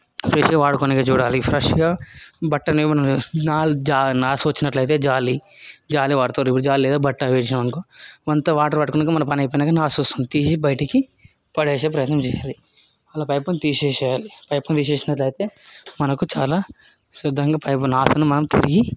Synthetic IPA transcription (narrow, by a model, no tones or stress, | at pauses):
pɾɐʃɡɐʋaːɽkoːniɡɐd͡ʒuːɽaːlipʰɾɐʂɡaːbɐʈːɐnimɐnɐmnaːld͡ʒaːnaːsoːt͡ʃinɐʈlɐjt̪̬eːd͡ʒaːlid͡ʒaːliʋaːɽt̪oːɾipːuɽud͡ʒaːlileːd̪obɐʈːɐʋeːt͡ʃinɐmɐnkoʋɐnt̪ɐʋaːʈɐɾʋɐʈkunɐkɐmɐnɐmpɐniɐjp̬ɔjnaːkɐnaːsoːst̪und̪it̪iːsibɐjʈɐki | pɐɽeːʃɐpɾɐjɐt̪nɐmt͡ʃɛja̰ːli | ɐlaːpɐjpɐnt̪iːʃeːt͡ʃɛjaːlipɐjpɐnt̪iːʃ̬eːʃinɐʈlɐjit̪eːmɐnɐkut͡ʃaːlaː | sɐd̪ɐɾɐŋɡɐpɐjpɐnaːsɐnumɐnɐmt̪ḭɾiɡi